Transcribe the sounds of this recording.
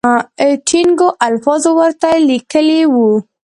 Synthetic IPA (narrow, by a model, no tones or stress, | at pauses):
ʈʰiŋɡoʔalfɑzowəɾt̪alikəlewu